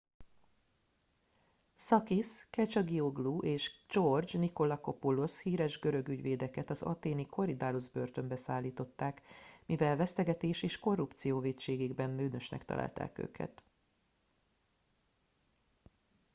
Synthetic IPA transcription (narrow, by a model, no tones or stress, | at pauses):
sɒkiskɛt͡ʃɒɡioɡluʔeːʃd͡ʒord͡ʒniko̞lɒko̞poloshiːɾɛʒɡø̞ɾø̞ɡyɟʋeːd̪ɛkɛt̪ɒzɒ̰t̪eːnikʰo̞ɾid̪aːluzbø̞rt̪ø̞mbɛsaːlːiːt̪o̞t̪ːaːkmivɛlvɛst̪ɛɡɛt̪eːʃeːʃko̞rːupt̪sijoːveːtt͡ʃeːɡeɡbɛnːøːnø̞ʃnɛ̰kt̪ɒ̰lʔa̰ːlt̪a̰ːkø̰ːkʰɛ̰t̪